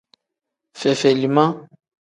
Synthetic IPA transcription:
fɛ˨fɛ˨li˨mã˦

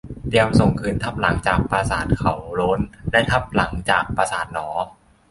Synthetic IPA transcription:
di˧əmso˨˩ŋkʰɯː˨˩nt̪ʰa˦˥p̚la˩˦ŋt͡ɕaː˨˩k̚pɾaː˧saː˨˩t̪̚kʰa˨˦wloː˦˥nlɛ˦˥t̪ʰa˦˥p̚la˩˦ŋt͡ɕaː˨˩k̚paː˧saː˨˩t̪̚nɔː˩˦

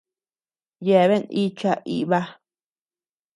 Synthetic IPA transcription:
je˨βe˦ni˦t͡ʃa˧ʔḭ˧˨βa˦

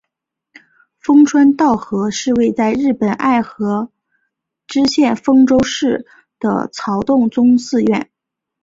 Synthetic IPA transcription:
fɤ˥ŋʈ͡ʂʰwa˥nt̪ɑ˥˩ʊxɤ˧˥ʂɻ̩˥˧we˥˧ɪt͡sa˥˧ɪɻɻ̩˥˩pə˨˩nʔa̰˥˩ɪxɤ˧˥ | ʈ͡ʂɻ̩˥ɕjɛ˥˩nfɤ˥ŋʈ͡ʂo˥ʊʂɻ̩˥˩ | d̪̥ə̰˩t͡sʰɑ˧˥ʊt̪ʊ˥˩ŋt͡sʊ˥ŋsɹ̩˥˧ɥɛ˥˩n

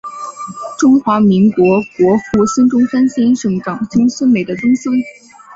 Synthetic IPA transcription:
ʈ͡ʂʊ˥ŋxwa˧˥mi˧˥ŋkwɔ˧˥kwɔ˧˥xu˥˩sə˥nʈ͡ʂʊ˥ŋʈ͡ʂa˥nɕi˥nʂɤ˧˩ŋʈ͡ʂɑ˨˩ŋt͡ɕʊ˥ŋsə˥nme˨˩ɪd̪ə˦ʈ͡ʂʊ˥ŋsə˥n

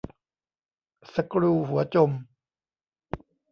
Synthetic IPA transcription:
sa˧kɾuː˧ɦu˩˦ɐt͡ɕo˧m

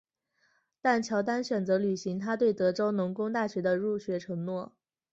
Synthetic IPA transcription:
t̪a˥˩nt͡ɕʰjɑ˧˥ʊt̪a˥nɕɥɛ˨˩nt͡sɤ˧˥ly˨˩ɕi˧˥ŋt̪ʰa˥t̪we˥˩ɪt̪ɤ˧˥ʈ͡ʂo˥ʊnʊ˧˥ŋkʊ˥ŋt̪̬a˥˩ɕɥɛ˧˥d̪ə˧ɻu˥˩ɕɥɛ˧˥ʈ͡ʂʰɤ˧˥ŋnwɔ˥˩

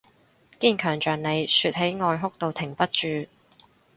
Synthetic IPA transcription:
kiː˥nkʰœː˨˩ŋt͡ʃœː˨˩ŋne˨˧jsyː˧t̚ɦe˨˥jŋɔː˧jɦʊ˥k̚t̪o˨˧wt̪ʰɪ˨˩ŋpɐ˥t̚t͡ʃyː˨˧

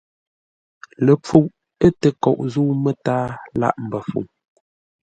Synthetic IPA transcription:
lə˨p͡fu˦ʔ̚ | ə˦tə˨kɔ˨ʔzuː˦mə˦taː˦la̰˦˨ʔm̩˨bə˨fṵ˨ŋ

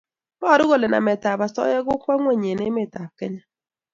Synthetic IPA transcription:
ɔ˦˨ɾʊ˦ɣo˦˨le˨na̰˨mɛ˨ta˨ba˨sɔ̰˦jɛ˦ɡʊ˦kwa˦ŋwɛ˦˨ɲe˨ne˦me˨ta˨p̚kɛ˦ɲa˦

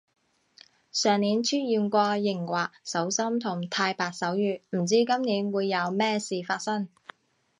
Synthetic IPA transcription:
sœː˨ŋniː˨˥nt͡ʃʰyː˥t̚jiː˨˧nkʷɔː˧jɪ˨˩ŋwaː˨k̚sɐ˨˥wsɐ˥mt̪ʰʊ˨˩ŋt̪ʰaː˧jpaː˨k̚sɐ˨˥wjyː˧˩m̩˨˩t͡siː˥kɐ˥mniː˨˥nwuː˨˧jːɐ˨˧wmɛː˥siː˨faː˧t̚sɐ˥ŋ

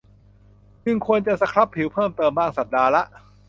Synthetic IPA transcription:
t͡ɕɯ˧˩ŋkʰu˧ənt͡ɕa˨sa˧kʰɾa˦˥pʰːi˨˩˦wpʰɤː˥˩mt̪ɤː˧mbaː˥˩ŋsa˨˩p̚daː˧la˦˥ʔ

